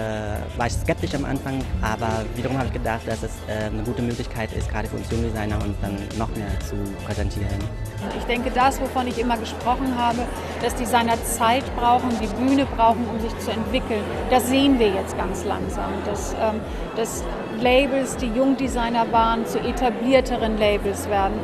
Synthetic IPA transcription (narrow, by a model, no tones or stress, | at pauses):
ɛːvaːɐɪçskɛp̚tɪʃamʔa̰nfaŋʔaːbɐviːdɐʁ̞ʊmhaːbəɪçɡ̥ədaχt̚d̥asdɛsʔɛːnəɡuːtəmøːklɪçkʰaɪtɪ̰st̚ɡ̥ʁaːɾəfyːɐʊnsjʊŋdizaɪnɐʊntd̥anːɔχmeːɐt͡supʁ̥ɛzɛntʰiːʁənʔʊtɪçd̥ɛŋkədasvofɔnɪçʔɪmɐɡəʃpʁ̥ɔχn̩ɦaːbə | d̥asd̥iːzaɪnɐt͡saɪtb̥ʁaʊxn̩diːbyːnəbʁaʊχn̩ʊmzɪçt͡suɛntv̥ɪkl̩n | d̥asz̥eːənviːɐjɛt͡stɡ̥ant͡sla̰ŋza̰ːmd̥asʔɛːm | d̥as | leɪbl̩sd̥iːjʊŋdizaɪnɐvaːʁənt͡suʔetʰabliːɐtʰəʁ̞ənleɪbl̩sv̥eːɐdn̩